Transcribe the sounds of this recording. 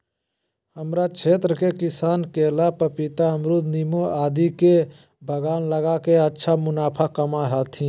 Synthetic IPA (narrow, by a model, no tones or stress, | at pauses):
həmɾat͡ʃʰeːt̪ɾəkekɪsaːnkeːlapəpɪt̪aəmɾud̪nimoaːd̪ike | bʱəɡaːnləɡakeətːʃʰamʊnaːpʰakəmaɦat̪ʰĩː